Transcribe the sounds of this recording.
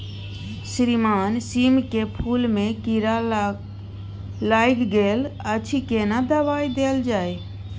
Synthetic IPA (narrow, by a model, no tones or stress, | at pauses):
sɾimaːnsimkepʰulmẽkiɾa | laːjɡɡeːlət͡ʃʰikenad̪əʋaːid̪eːld͡ʒaːe